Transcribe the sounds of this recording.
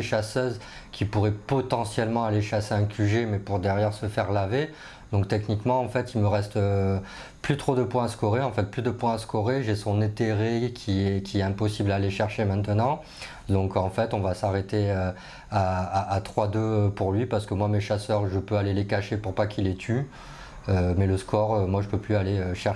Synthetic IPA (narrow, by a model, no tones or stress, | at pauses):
eʃasœz | kʲipuʁɛpɔt̪ɑ̃sjɛlmɑ̃aleʃaseɛ̃kʲʰyʒemɛpuʁd̪ɛʁjɛʁsəfɛʁlave | d̪ɔ̃kt̪ɛknikmɑ̃ɑ̃fɛt̪ilməʁɛst̪ | plyt̪χod̪əpwɛ̃askɔʁeɑ̃fɛt̪̚plyd̪əpwɛ̃askɔʁeʒesɔ̃nɛt̪eʁekʲʰiɛkʲiɛt̪ɛ̃pɔsiblaːleʃɛʁʃemɛ̃t̪ənɑ̃ | d̪ɔ̃kɑ̃fɛt̪ɔ̃vasaʁet̪eø | aaːt̪χwad̪øpuʁlɥipaʁsə̥kəmwameʃasœʁʒəpøalelekaʃepuʁpakilɛt̪ʰy | ømɛləskʰɔʁømwaʒəpøplyaleøʃɛ